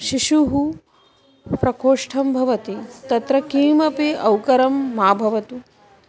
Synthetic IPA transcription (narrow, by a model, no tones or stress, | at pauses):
ʃiʃuɦu | pɾɐkʰoːʂʈʰɐmbʱɐʋɐt̪it̪ɐt̪ɾɐkiːmɐpiɐwkɐɾɐmːaːbʱɐʋɐt̪u